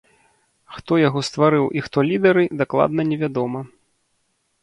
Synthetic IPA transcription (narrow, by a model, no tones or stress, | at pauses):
xt̪ɔjaɣɔst̪vaɾɨwʔixt̪ɔlʲid̪ɐɾɨd̪aklˠa̰d̪̚nɐnʲɛvʲad̪ɔmɐ